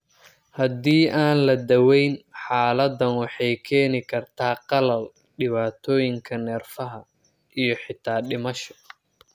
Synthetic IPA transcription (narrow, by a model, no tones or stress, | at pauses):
hɐd̪iːʔaːnlɐd̪ɐwɛjnħaːlɐd̪ɐnwɑħɑjkʰɛːnɪkʰɐrt̪ʰaːqɑlɐl | ɖɪβaːt̪ʰɔːjɪŋkʰɐnɛːrfɐɦɐ | ʔijɞħɪt̪ʰaːɗɪmɐʃɔ̥